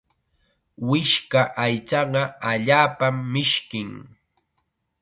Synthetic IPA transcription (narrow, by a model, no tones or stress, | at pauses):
wɪʃkaʔajt͡ʃɑɢɑaʎaːpamːɪʃkɪŋ